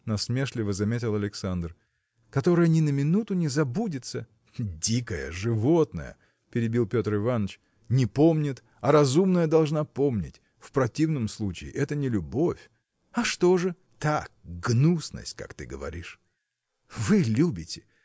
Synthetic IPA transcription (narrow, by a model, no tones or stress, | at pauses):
nɐsmʲeʂlʲɪvəzɐmʲet̬ʲɪlˠɐlʲɪksand̪r | kɐt̪o̞ɾəjənʲɪnəmʲɪnut̪ʊnʲɪzɐbudʲɪt̪sə | dʲikəjə̰ʐɨvot̪nə̰jə̰ | pʲɪɾʲɪbʲilˠpʲo̞t̪rɨvanːət͡ɕ | nʲɪpomnʲɪt̪ | ɐɾɐzumnəjəd̪ɐlˠʐnapo̞mnʲɪ̰tʲ | fpɾɐtʲivnəmslˠut͡ɕɪ̰ːʔɛt̪ənʲɪlʲʊbo̞fʲ | ɐʂt̪o̞ʐɨ | t̪ak̚ɡnusnə̰sʲtʲka̰kt̪ɨɡəvɐ̰ɾʲiʂ | vɨlʲubʲɪtʲɪ̥